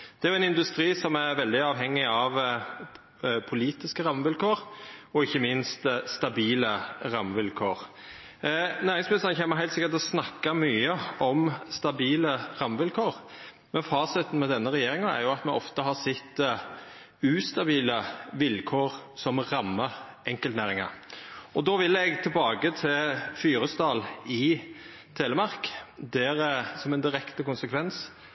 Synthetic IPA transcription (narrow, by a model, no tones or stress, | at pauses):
d̪̥ɛæɾjʊɛnɪnd̪ʉst̪ɾiːsɔmæɾʋɛld̪ɪɑːʋɦɛŋːɪɑʋ | pʰʊliːt̪ɪskəɾɑmːəʋɪlkʰoːɾɔɪçːəmɪnst̪st̪ɑbiːləɾɑmːʋɪlkʰoːɾ | næːɾɪŋsmɪst̪ənəçɛːnmːəɦæɪlt̪sɪkət̪ɔsnɑkːɑmyːəɔmst̪ɑbiːləɾɑmːəʋɪlkʰoːɾ | mɛnfɑːsɛt̪n̩mɛd̪ɛnːəʁɛjeːɾɪŋɑæ̰ɾjʊɑt̪mɛʔɔft̪əɦɑsɛt̪ː | ʉːst̪ɑbiːləʋɪlkʰoːɾsɔmʁɑmːəʔɛŋkəlt̪næːɾɪŋɑ̰ɾɔd̪oːʋɪlːɛɡt̪ʰɪlbɑːɡət̪ʰɪlfyːɾəst̪ɑːlɪ | t̪ʰeːləmɑʁkd̪ɛɾsɔmɛnd̪ɪɾɛkt̪əkʊnsəkʰʋɛns